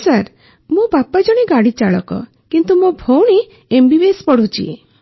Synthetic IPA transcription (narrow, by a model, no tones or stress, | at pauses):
saɾ | mubapad͡ʒɔɽ̃iɡaɽit͡ʃaɭɔkɔ̰ | kint̪umobʱowɽ̃i | embibespɔɽ̤ut͡ʃḭ